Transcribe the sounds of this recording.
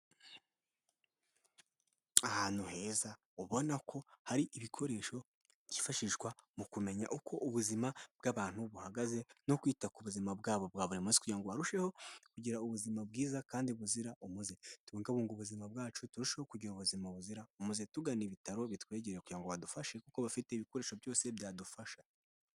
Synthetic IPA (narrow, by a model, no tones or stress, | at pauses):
ahaːn̥huhe̞ːza | uβo̞nakʰo̞haɾiʔiβikʰo̞ɾe̞ːʃo̞ | ɟifaʃiʒɡwamukume̞ɲa̰ʔukʰo̞ʔuβuzimab̥ɡaːβaːn̥huβuhaɡaze̞no̞kwiːtakuβuzimabɡaːβo̞b̚ɡwaːβoɾimuzi̥kuɟɾaŋɡo̞βaɾuʃe̞ho̞kuɟiɾauβuzimabɡiːzakaːndiβuziɾaʔumuze̞tuβoŋɡaβuːŋɡuβuzimabɡaːt͡ʃutuɾuʃe̞ho̞kuɟiɾuβuzimaβuziɾaumuzetuɡaniβitaɾo̞βitwe̞ːɟeeekuɟɾaŋɡoβadufaʃe̞kukoβafite̞iβiko̞ɾe̞ːʃo̞bjo̞ːse̞bjaːdufaʃḁ